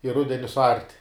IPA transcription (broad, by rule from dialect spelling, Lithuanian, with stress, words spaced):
ɪ ˈrʊdʲɛnʲɪ sʊˈɐrʲtʲ